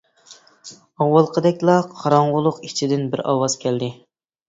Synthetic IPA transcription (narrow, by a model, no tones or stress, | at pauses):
ɑwːɑlˠqʰəd̪ɛkʲlˠɑqʰɑɾɑɴʁʊlˠʊqit͡ʃʰid̪ɪnbɪɾɑ̰wɑz̥kʲʰɛld̪ɪ